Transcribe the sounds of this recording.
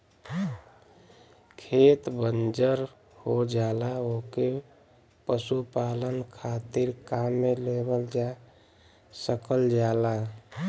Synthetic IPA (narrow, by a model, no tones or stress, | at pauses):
kʰet̪bənd͡ʒəɾ | hod͡ʒalaoke | pəsupalənkʰat̪iɾkamːelebəld͡ʒa | səkəld͡ʒala